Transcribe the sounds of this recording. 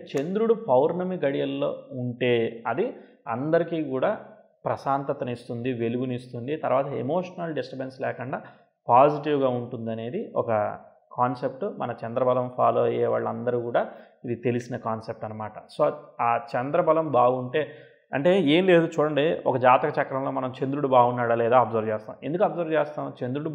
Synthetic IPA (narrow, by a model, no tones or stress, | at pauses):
t͡ʃe̞nd̪ɾuɽupɐwɾnɐmiɡɐɽijɐlːo̞̰ːuɳʈe̞ːɐd̪i | ɐnd̪ɐɾikiːkuːɽaː | pɾɐsaːnt̪ɐt̪ɐnist̪und̪iʋe̞luɡunist̪und̪it̪ɐɾʋaːt̪ɐḛmoːʂɐnɐlɖesʈɐpenslɛːkɐɳɖaː | paːd͡ʒiʈiʋɡaːuɳʈund̪ɐne̞ːd̪iɔ̰kɐ | kaːnse̞p̚ʈumɐnɐt͡ʃɐnd̪ɾɐbɐlɐmpʰaːloːɐjɛːʋa̰ːɭːɐnd̪ɐɾukuːɽaː | id̪it̪e̞lisinɐkaːnsep̚ʈɐnːɐmaːʈɐso̞ːaːt͡ʃɛnd̪ɾɐbɐlɐmbaːɡuɳʈe̞ː | ɐɳʈe̞ːeːmle̞ːd̪ut͡ʃuːɽɐɳɖiɔkɐd͡ʒaːt̪ɐkɐt͡ʃɐkːɐɾɐmlo̞ːmɐnɐmt͡ʃend̪ɾuɽubaːɡunːaːɽɐlɛːd̪aːɐbzɐɾd͡ʒeːst̪a̰ːm̃e̞nd̪ukuɐbzɐɾt͡ʃeːst̪aːmt͡ʃe̞nd̪ɾuɽu